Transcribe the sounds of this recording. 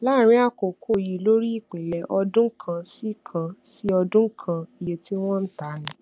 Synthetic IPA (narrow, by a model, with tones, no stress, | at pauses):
la˦˨ɾ̃ĩ˨˦a˦˨ko˨kʰo˦˨ji˨lo˦ɾi˦i˦˨k͡pĩ˨lɛ˨ʔɔ˧dũ˦kʰã˧si˦˨kʰã˧si˦ɔ˧dũ˦kʰã˧i˨je˨ti˦w̃ɔ̃˦n̩˦ta˨˦nĩ˨